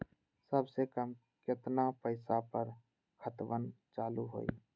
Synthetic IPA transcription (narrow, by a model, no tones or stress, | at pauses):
səbsekəm | kɪt̪napəɪsapəɾ | kʰət̪ʋən | t͡ʃaːluɦo̰ːḭ